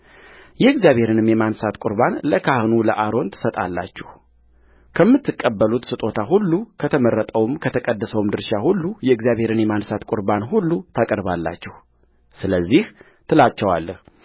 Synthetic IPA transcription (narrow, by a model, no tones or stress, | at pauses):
jɛɨɡzijaβʱhe̞ɾɨnɨmjɛmansat̪kʼʊɾbanləkʰahnuləʔaɾo̞nt̪ʰɨ̥sət̪ʼa̰lːa̰t͡ʃːɛh | kʰəmːɨt̪ʰːɨkʼːəbːəlut̪sɨt̪ʼo̞t̪ʰaɦulːukʰət̪ʰəməɾːət̪ʼəwɨmkʰət̪ʰəkʼəd̪ːəsəwmd̪ɨɾʃahulːujɛɨɡzjaβhe̞ɾɨnjɛmansat̪kʼʊɾbanɦulːut̪ʰakʼəɾbalːa̰t͡ʃːɛh | sɨləzːih | t̪ʰɨlat͡ʃːɛwalːəh